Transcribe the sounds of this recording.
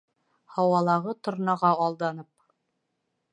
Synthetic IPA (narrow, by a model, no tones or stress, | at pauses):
hɒwɑlˠɑʁɤt̪ŏɾnɑʁɑɒlˠd̪ɑnɤp̚